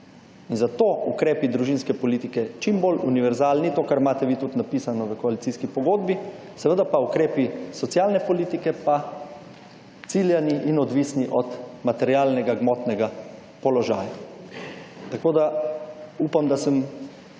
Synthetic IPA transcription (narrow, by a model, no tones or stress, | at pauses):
inzat̪oːukɾeːpid̪ɾuʒinskɛpɔliːt̪ikɛt͡ʃimboluniʋɛɾzaːlnit̪oːkaɾmaːt̪ɛʋit̪ut̪napiːsanɔʋəkɔalit̪siːskipɔɡoːd̪bi | sɛʋəd̪apaukɾeːpisɔt̪sjaːlnɛpɔliːt̪ikɛpa | t̪siljaniʔinɔd̪ʋiːsniʔɔt̪mat̪ɛɾjaːlnɛɡaɡmɔt̪nɛɡa | pɔlɔʒaːja | t̪akoːd̪a | uːpamd̪asəm